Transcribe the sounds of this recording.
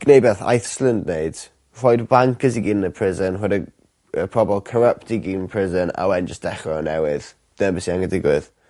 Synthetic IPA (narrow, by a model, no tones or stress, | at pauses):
ɡ̥nejbɛθa̰jθslˠəndneɨd̥ | r̥ɔjdbaŋkʰəsiɡiːnəpʰr̥ɪzənrɔdə | əpʰrɔbɛlˠkʰəɾəp̚tiɡiːnpʰr̥ɪzəna̰wɛnd͡ʒəsd̥ɛχrɔənɛwɪð̥ | dəbɪsiaŋədɪɡwɪð̥